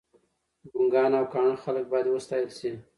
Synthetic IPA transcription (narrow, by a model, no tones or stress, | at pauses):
ɡuŋɡɑnawkɑɳəxalək̚bɑjad̪wəst̪ɑjəlsi